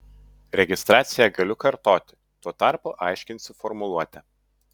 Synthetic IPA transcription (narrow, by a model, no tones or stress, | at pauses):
ɾʲɛɡʲɪst̪ɾɑːt̪sʲɪjɛɡɐlʲʊkɐɾt̪oːt̪ʲɪ̥ | t̪uɔt̪ɑˑɾpʊʔɐˑɪʃʲkʲɪnʲsʲɪfɔɾmʊlˠuɔt̪ʲɛ